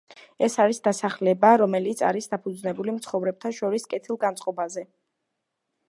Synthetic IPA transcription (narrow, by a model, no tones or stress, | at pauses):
ɛsaɾisd̪asaχlɛbaɾɔmɛlit̪sʰa̰ɾisd̪apʰud̪znɛbulimt̪sʰχɔvɾɛb̚t̪ʰaʃɔɾiskʼɛt̪ʰilˠɡant̪sʼqʼɔbazɛ